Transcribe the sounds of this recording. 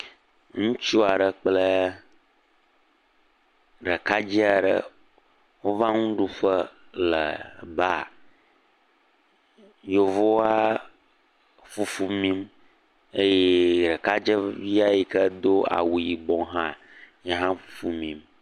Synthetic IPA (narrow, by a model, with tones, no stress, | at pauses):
ŋũ˦t͡ʃu˦a˨ɖə˨k͡plə˦ | ɖə˨ka˦d͡ʑi˦a˨ɖə̰˦ | wo˦va˦ŋũ˦ɖu˦ɸə˦lə̰˨ba˦˨ | jo˨vo˦wa˦ | fu˦fu˦mĩ˦m | e˦je˦ɖə˨ka˦d͡ʒə˦vi˦a˦ji˨kə˦d̪o˦a̰˨wu˨ji˨ɡ͡bɔ̃˨˦ɦã˦ | ɲɛ˦ɦã˦fu˦fu˦mĩ˨m